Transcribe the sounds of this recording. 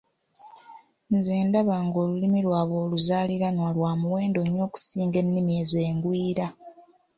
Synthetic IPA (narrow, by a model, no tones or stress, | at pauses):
nzeːndaβaːŋɡo̞ːlulimilwaːβo̞ːluzaːliɾanwalwaːmuwe̞ːndoɲːo̞ːku̥siːŋɡe̞nːimieːze̞ːŋɡwiːɾa